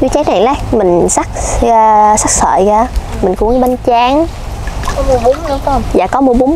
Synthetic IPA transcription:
t͡ɕu˧˦t͡ɕɛː˨˦˥t̚na˨˩laː˨˦jmï˨˩ŋ̟sa˦˥k̚ː | sa˦˥k̚sə̰ː˧˨ɣaː˧mï˨˩ŋ̟ku˧˦ŋɓə˧nt͡ɕaː˧˦ŋ˦ | kɔ˨˦mu˧ɓu˨˦ŋ͡mɗʊ˨˧˦kŋ͡mza̰ː˧˨˩kɔ˨˦mu˧ɓu˨˦ŋ͡m

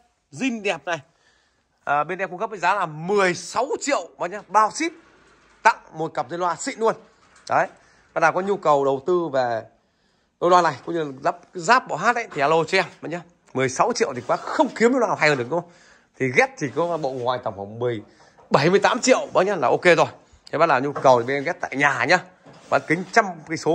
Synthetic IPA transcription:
zï˧ŋ̟ɗɛ˨˩p̚na˨˩j | ʔəː˨˩ɓe˧nɗɛ˧ku˧ŋkə˦˥p̚və˨˦jzaː˨˦laː˨˩mɨ˨˩əjsa˨˦wt͡ɕḭ˧˨əwɓaː˨˦ɲa˧ɓaː˧wsi˦˥p̚ | t̪a̰˧˨ŋmo˨˩t̚kə˨˩p̚zə˧nlwaː˧sḭ˧˨nu˧ən | ɗo˨ə˦j | ɓaː˧na˨˩kɔ˨˦ɲu˧kə˨˩wɗə˨˩wt̪ɨ˧ve˨˩ | t̪o˧jlwaː˧na˨˩jkʊ̰˧ŋ͡mɲɨ˧lla˦˥p̚zaː˦˥p̚ɓa̰˧˨wɦaː˦˥t̚ʔa˧˦jt̪ʰi˨˩ʔa˧lo˧t͡ɕɛ˧mə˧˦ɲaː˧ | mɨ˨˩əjsa˨˦wt͡ɕḭ˧˨əwt̪i˨˩kwaː˨˦xə˧wŋ͡mki˨˦əmze˧nwaː˧˨˧ɦa˧jəː˧ɗɨ˨˩ək̚ɗə˧ʔŋ͡m | t̪ʰi˨˩ɣɛ˦˥t̚t̪ʰi˨˩kɔ˨˦ɓo̰˧˨ŋŋwa̰ː˨jt̪ə˨˩wŋ͡mfa˨˩wŋ͡mmɨ˨˩əj | ɓə˧˩jmɨ˧əjt̪aː˨˦mt͡ɕḭ˧˨əwɓa˨˦ɲaː˧laː˨˩ʔo˧ke˧zo˨˩jʰ | ɓaː˧nlaː˨˩ɲu˧kə˨˩wt̪i˨˩ɓa˧ɣɛ˦˥t̚t̪a̰ː˧˨jɲaː˨˩ɲaː˧ | kaː˨˦kï˨˦ŋ̟t͡ɕa˧mkso˨˦

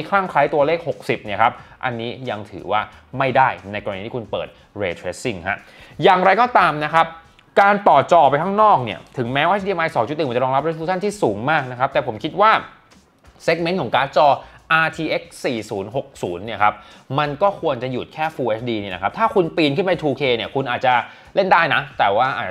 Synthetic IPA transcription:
kʰla˥˩ŋkʰla˦˥jt̪u˧ɐleː˥˩k̚ho˨˩k̚si˨˩p̚ni˥˩ɐkʰa˦˥p̚ʔa̰˧nːiː˦˥ja˧ŋt̪ʰɯ̰ː˩˦waː˥˩ | ma˥˩jdaː˥˩jna˧jkɔː˧iː˧t̪ʰiː˥kʰu˧npɤ̰ː˨˩t̪̚ | ɾeː˧t̪ʰɾeː˦˥sːi˥˩ŋɦa̰˦˥ | jaː˨˩ŋɾa˧jkɔː˥˩t̪aː˧mna˦˥kʰa˦˥p̚ | kaː˧nt̪ɔː˨˩t͡ɕɔː˧pa˧jt̪ʰa˦˥ŋnɔː˥˩k̚ni˥˩ɐt̪ʰɯ˩˦ŋmɛː˦˥wʔeː˥t͡ɕ̚diː˧e˧mʔa˧jsɔː˨˦ŋt͡ɕu˨˩t̪̚ːm˧˩t͡ɕɾɔː˧ɾla˦˥pɾe˦˥su˦˥t͡ɕʰa˥nt̪ʰiː˥˩suː˩˦ŋmaː˥˩k̚na˦˥kʰa˦˥p̚t̪ɛː˨˩pʰo˩˦mkʰi˦˥t̪̚waː˥˩ | seː˦˥k̚me˦˥nkʰɔː˩˦ŋkaː˦˥t͡ɕɔː˧ʔaː˧t̪ʰiː˧ʔe˦˥k̚siː˨˩suː˩˦nɦo˨˩k̚suː˩˦nːi˥˩ɐkʰa˦˥p̚ma˧nkɔː˥˩kʰu˧ənt͡ɕa˨˩juː˨˩t̪̚kʰɛː˥˩fuː˧ʔe˦˥t͡ɕ̚ʰdiː˧niː˥˩na˦kʰa˦˥p̚t̪ʰaː˥˩kʰu˧npiː˧nkʰɯ˥˩npa˧jt̪ʰuː˧kʰeː˧ni˦˥˩ɐkʰu˧nʔaː˨˩t̪̚t͡ɕa˨˩ | le˥˩ndaː˥˩jna˦˥t̪ɛː˨˩waː˥˩ʔaː˨˩

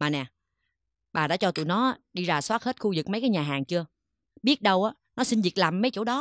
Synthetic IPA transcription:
maː˨˩nɛ˨˩ | ɓaː˨˩ɗa̰ː˧˥t͡ɕɔ˧t̪ṵ˧˨nɔ˨˦ɗi˧zaː˧˩swaː˦˥t̚he˦˥t̚xu˧zɨ˨˩k̚mə˨˦jkaː˨˦jɲaː˨˩ɦaː˨˩ŋt͡ɕɨ˧ə | ɓi˦˥ət̚ɗə˧wʔaː˨˦ | nɔ˨˦si˧nvi˨˩ək̚laː˨˩mːə˨˦jt͡ɕo̰˧˥˩ɗɔ˨˦

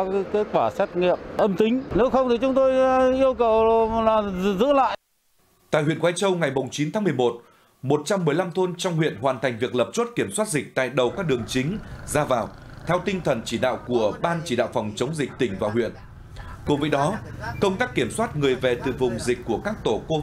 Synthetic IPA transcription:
ke˨˦˥kwaː˧˩sɛ˦˥t̚ŋi˨əp̚ʔə˧mt̪ï˨˦ŋ̟ne˨˦wxə˧wŋ͡mt̪i˨˩t͡ɕʊ˨˦ŋ͡mt̪o˧jʔi˧əwkə˨˩wlaː˨˩zɨ̰˧˥la̰ː˧˨j | t̪a̰ː˧˨jhwḭ˧˨ənkwaː˨˦jt͡ɕə˧wŋa˨˩jmʊ˨˩ŋ͡mt͡ɕi˨˦nt̪aː˨˦mɨ˨˩əjmo˨˩t̚ | mo˨˩t̚t͡ɕa˧mːɨ˨˩əjla˧mt̪ʰo˧nt͡ɕɔ˧wŋ͡mhwḭ˧˨ənɦwaː˨˩nt̪ʰa˨˩jŋ̟vi˨˩ək̚lə˨˩p̚t͡ɕo˦˥t̚ki˧˩əmswaː˦˥t̚zï˨˩k̚t̪a̰ː˧˨jɗə˨˩wkaː˦˥k̚ɗɨ˨˩əŋt͡ɕï˨˦ŋ̟zaː˧vaː˨˩w | t̪ʰɛ˧wt̪i˧ŋ̟t̪ʰə˨˩nt͡ɕi˧˩ɗa̰ː˧˨wku˧˩əɓaː˧nt͡ɕi˧˩ɗa̰ː˧˨wfɑ˨˩wŋ͡mt͡ɕə˨˦wŋ͡mzï˨˩k̚t̪ï˧˩ŋ̟vaː˨˩wɦwḭ˧˨ən | ku˧˩vəː˨˦jɗɔ˨˦kə˧wŋ͡mt̪aː˦˥kːi˧˩əmswaː˦˥t̚ŋɨ˨˩əjvɛ˨˩t̪ɨ̰˨˩vʊ˨˩ŋ͡mzï˨˩k̟̚ʲkːu˧˩əkaː˦˥k̚t̪o˧˩ko˧

